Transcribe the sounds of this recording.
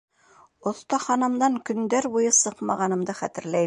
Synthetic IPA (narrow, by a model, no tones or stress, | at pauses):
ŏθt̪ɑχɑnɤ̆md̪ɑŋkɵ̆nd̪æɾbujɤsɤqmɑ̰ʁɑnɤ̆md̪ɤχæt̪ɘ̆ɾlæ